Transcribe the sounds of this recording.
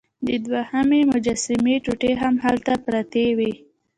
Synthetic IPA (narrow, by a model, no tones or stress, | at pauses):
d̪əd̪wahamemʊd͡ʒasɪmeʈuʈeɦamɦalt̪apɾat̪ewi